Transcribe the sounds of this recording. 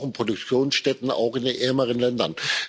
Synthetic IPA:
ʊnpʁ̥odʊk̚t͡sjoːnsʃtɛtn̩a̰ʊxɪndenʔɛɐməʁ̞ənlɛndɐn

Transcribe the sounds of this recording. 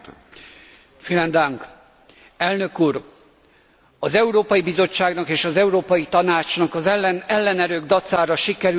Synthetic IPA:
filɛnd̪aŋk | ɛlnø̞kuːɾ | ɒzɛuɾoːpɒjibizo̞t͡ʃːaːɡnɒkeːʃɒzɛuɾoːpɒjit̪ɒnaːt͡ʃnɒkɒzɛnɛlːɛnɛɾøːɡd̪ɒt̪saːɾɒʃikɛɾ

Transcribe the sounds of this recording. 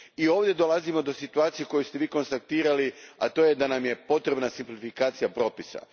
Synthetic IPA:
io̞ːʋd̪ʲje̞d̪o̞lˠazimo̞d̪o̞sit̪uaːt̪sijeko̞just̪e̞ʋiːko̞nst̪ak̚t̪iːɾaliat̪oje̞d̪anamje̞po̞t̪ɾe̞bnasimplifikaːt̪sijapɾo̞ːpisa̰

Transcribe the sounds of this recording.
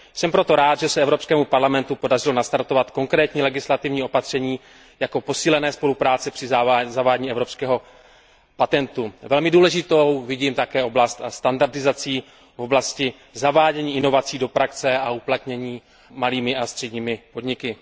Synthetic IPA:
sɛmpɾo̞t̪o̞ɾaːt̪ʒɛsɛɛvɾo̞pskɛːmupaɾlamɛnt̪upo̞dar̝ɪlo̞nast̪aɾt̪o̞vat̪ko̞ŋkɾɛːt̪ɲiːlɛɡɪslat̪ɪvɲiːo̞pat̪r̝̥ɛɲiː | jako̞po̞siːlɛnɛːspo̞lupɾaːt͡sɛpr̥ɪzavaːɟɲiːɛvɾo̞pskɛːɦo̞ | pat̪ɛnt̪uvɛlmɪduːlɛʒɪt̪o̞wvɪɟiːmt̪akɛːʔo̞blast̪ast̪andaɾdɪzat͡siː | vo̞blascɪ | zavaːɟɛɲiːɪno̞vat͡siːdo̞pɾakt͡sɛauplat̪ɲɛɲiː | maliːmɪʔast̪r̥ɛɟɲiːmɪpo̞dɲɪkɪ

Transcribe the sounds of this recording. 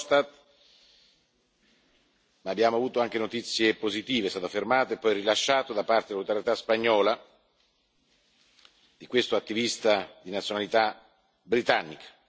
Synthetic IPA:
st̪at̪ | maːbːjaːmoavuːt̪oaŋk̟enot̪it̪sːjepozit̪iːvest̪aːt̪ofermaːt̪oepːɔjrilaʃːaːt̪od̪apːart̪edelaut̪aɾjet̪aspaɲːɔːla | d̪ikwest̪oat̪ːivist̪ad̪inat̪sjonalit̪a | bɾit̪anːikḁ

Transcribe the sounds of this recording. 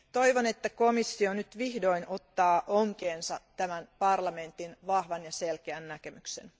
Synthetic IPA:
t̪o̞jʋone̞t̪ːækomisːio̞nyt̪ʋihdo̞ino̞t̪ːɑːʔoŋkeːnsɑt̪æmænpɑrlɑme̞nt̪inʋɑhʋɑnjɑselkeænːækemykse̞̰n

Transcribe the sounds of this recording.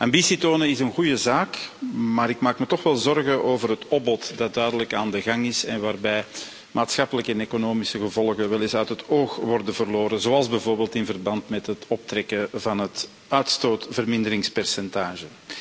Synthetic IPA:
ʔambisitoːnənɪsənɣujəzaːkmaːɾɪkmaːkmətɔxʋɛlˠzɔrɣənʔoːvərɾɦətɔbbɔtdɑt̚dœɥdələkaːndəɣɑŋɪsɛnʋaːrbɛj | mʔaːtsxɑpələkəɛneːkonoːmisəɣəvɔlˠɣəʋɛlɪsœɥtɦətoːxʋɔrdənvərloːɾəzoːɑlˠzbɛjvoːrbeːltɪnvərbɑntmɛtɦətɔp̚trɛkəvɑnɦət | œɥtstoːtvərmɪndəɾɪŋspɛrsɛntaːʒə

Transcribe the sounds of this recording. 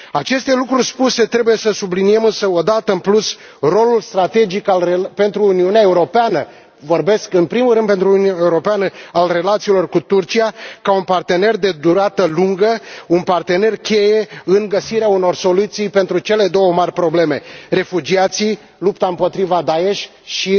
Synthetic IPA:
at͡ʃe̞st̪e̞lukɾurʲspuse̞t̪ɾe̞buje̞səsublinije̞mɨnsəo̞d̪at̪əɨnplus | ro̞lulst̪ɾat̪e̞d͡ʒikalepe̞nt̪ɾuːniuneaeuɾo̞peanə | vo̞rbe̞skɨnpɾimulɾɨnd̪pe̞nt̪ɾuunuaeuɾo̞peanəalre̞lat̪siːlo̞rkut̪urt͡ʃijakaunpart̪e̞ne̞rd̪e̞d̪uɾat̪əluŋɡəunpart̪e̞ne̞rkʲe̞je̞ɨŋɡəsiɾeauno̞rso̞lut̪sijpe̞nt̪ɾut͡ʃe̞le̞d̪o̞wəmarʲpɾo̞ble̞me̞re̞fud͡ʒiat̪si | lupt̪aɨmpo̞t̪ɾivad̪ae̞ʃʲ | ʃi

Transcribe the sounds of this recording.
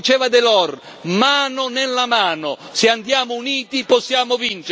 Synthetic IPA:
it͡ʃɛːvad̪elɔr | maːnʊnelːamaːnʊseand̪jaːmouniːt̪iposːjaːmʊvint͡ʃ

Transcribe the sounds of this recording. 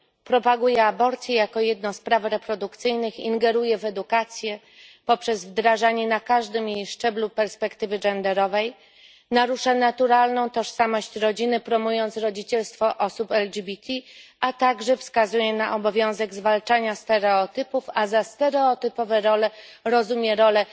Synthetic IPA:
pɾɔpaɡujɛabɔɾt̪sʲjɛjakɔjɛd̪nɔ̃spɾavɾɛpɾɔd̪ukt̪sɘjnɘxḭŋɡɛɾujɛvɛd̪ukat̪sʲjɛ | pɔpʂɛzvd̪ɾaʐaɲɛnakaʐd̪ɘmjejʂt͡ʂɛblupɛɾspɛkt̪ɘvɘd͡ʐɛnd̪ɛɾɔvɛj | naɾuʂanat̪uɾalnɔ̃w̃t̪ɔʂsamɔɕt͡ɕɾɔd͡ʑinɘpɾɔmujɔnt̪sɾɔd͡ʑit͡ɕɛlst̪fɔʔɔsupɛld͡ʑibʲit̪ʲʰi | at̪aɡʐɛfskazujɛnaʔɔbɔvʲjɔ̃w̃zɛɡzvalt͡ʂaɲast̪ɛɾɛɔt̪ɘpufazast̪ɛɾɛɔt̪ɘpɔvɛɾɔlɛ | ɾɔzumʲjɛɾɔlɛ

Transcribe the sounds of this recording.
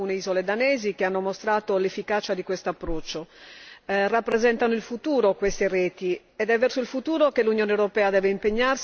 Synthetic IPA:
uːneizoled̪anɛːzikeanːomost̪ɾaːt̪olefːikaːt͡ʃad̪ikwest̪oapːɾɔt͡ʃːo | rapːɾezɛnt̪anoilfut̪uːɾokwest̪erɛːt̪i | ɛd̪ɛvːɛrsoilfut̪uːɾokelːunjoːnewɾopɛːad̪ɛːveimpeɲːars

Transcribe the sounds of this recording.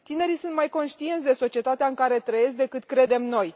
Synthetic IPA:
t̪ine̞ɾisunt̪majko̞nʃt̪ient̪sʲd̪e̞so̞t͡ʃie̞t̪at̪eaɨŋkaɾe̞t̪ɾəje̞sk̚d̪ekɨt̪kɾe̞d̪e̞mno̞j

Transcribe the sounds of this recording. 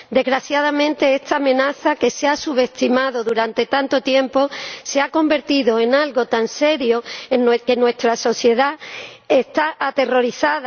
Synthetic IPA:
d̪e̞zɣɾaθjaðamẽ̞nt̪e̞est̪aːmẽ̞naθake̞seasuβe̞st̪imaðo̞ðuɾant̪e̞t̪ant̪o̞t̪je̞mpo̞seako̞mbe̞ɾt̪iðoenalɣo̞t̪anse̞ɾjo̞enːweke̞nwe̞st̪ɾaso̞θje̞ðaest̪aʔat̪e̞ro̞ɾiθað

